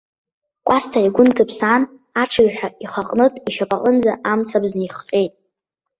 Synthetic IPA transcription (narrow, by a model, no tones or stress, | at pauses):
kʷʼastʰaiɡʷʊntʰɨpʰsan | aʈ͡ʂʰɨjʲħʷᶣaiχaqʼnɨtʼiʃapʼaʔʼənd͡zaʔamt͡sʰabznejχqʲʼejtʼ